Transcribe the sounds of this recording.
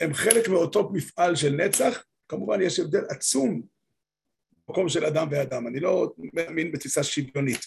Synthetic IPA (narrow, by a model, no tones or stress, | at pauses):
hemχe̞lekmio̞to̞mifʔalʃelnet͡saχ | kamuvanjeʃevd̪e̞lʔat͡sum | bako̞mʃelad̪amvead̪amanilo̞meaminbet̪fisaʃibjo̞nit̪